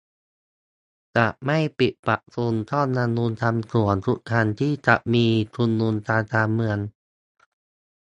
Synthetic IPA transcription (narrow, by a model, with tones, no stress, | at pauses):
t͡ɕa˨˩ʔma˥˩jpi˨˩t̪̚pa˨˩ʔsu˧nt̪ʰɔː˥˩nːa˧nːuː˧nt̪ʰa˧mtʰu˨˩˦ənt̪ʰu˦˥ʔ̚t̪ʰa˧nt̪ʰiː˥˩t͡ɕa˨˩ʔmiː˧t̪ʰu˧nːuː˧nt̪aː˧t̪aː˧mːɯ˧ən